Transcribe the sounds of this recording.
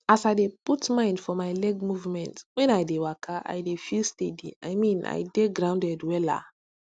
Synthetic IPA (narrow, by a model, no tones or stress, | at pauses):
asajdeputmãɪ̃ndfɔmaɪlɛɡmuvmɛ̃ntwɛ̃najdewakʰaʔa̰jdefilstedḭa̰jmĩna̰jdeɡɾãʊ̃ndɛdwɛla̰